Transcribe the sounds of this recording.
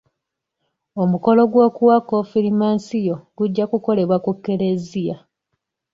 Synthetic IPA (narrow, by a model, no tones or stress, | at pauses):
o̞muko̞lo̞ɡwo̞ːkuwakofiɾimaːnsijo̞ɡuɟːakuko̞le̞βwakukːe̞ɾe̞zija